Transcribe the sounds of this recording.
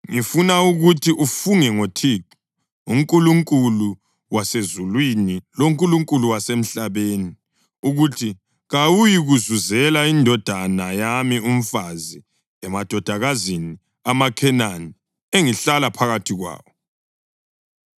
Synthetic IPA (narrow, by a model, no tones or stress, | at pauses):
ŋifunauɣutʰiʔufuŋɛŋotʰiǁi̥ | uŋkʼuluŋkʼulu | wasezulwiniloŋkʼuluŋkʼuluwasem̩ɬaβeːni | uɣutʰi | ɣawujiɣuzuzɛlaindʱɔd̥ʱanajamium̩fazi | ɛmad̥ʱɔd̥ʱaɣazini | amakʰɛnani | eŋiɬalapʰaɣatʰiɣwa̰ːwɔ